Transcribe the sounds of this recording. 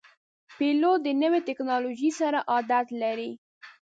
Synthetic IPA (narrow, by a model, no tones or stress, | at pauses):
pelod̪ənəwet̪ɪknɑloʒisaɾaʔɑd̪at̪laɾi